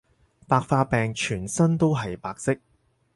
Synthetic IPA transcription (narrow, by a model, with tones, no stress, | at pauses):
paː˧k̚faː˧pɛː˨˩ŋt͡ʃʰyː˨˩nsɐ˥nt̪o˥wɦɐ˨jpaː˧k̚sɪ˥k̚